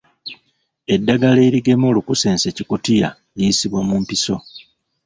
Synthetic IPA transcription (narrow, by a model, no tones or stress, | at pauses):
e̞dːaɡale̞iɾiɡe̞mo̞ːlukuse̞ːnse̞cikutija | liːsiβwamumpiso̞